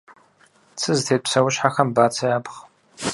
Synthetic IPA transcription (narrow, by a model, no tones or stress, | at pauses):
t͡sʰɨztʰeːpsɐwʊɕħaxɐmbaːt͡sʰɐjaːpχ